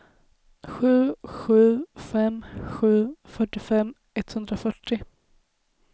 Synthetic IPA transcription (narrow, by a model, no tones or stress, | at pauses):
ɧʉ̟ːɧʉ̟ːfɛmɧʉ̟ːfœʈːɪfɛmː | ɛt̪ːhɵnd̪ɾafœʈːɪ